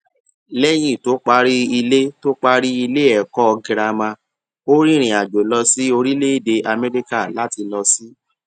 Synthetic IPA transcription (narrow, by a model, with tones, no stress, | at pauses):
lɛ˦j̃ĩ˦˨to˦k͡pa˧ɾi˦i˧le˦to˦k͡pa˧ɾi˦i˧le˦ɛ˨kɔ˦ɔ˧ɡĩ˧ɾa˧mã˧ | o˦ɾĩ˦ɾ̃ĩ˨a˨d͡ʒo˨lɔ˧si˦o˧ɾi˦le˦i˦˨de˧ʔa˧mɛ˦ɾi˦ka˦˨la˨˦ti˧lɔ˧si˦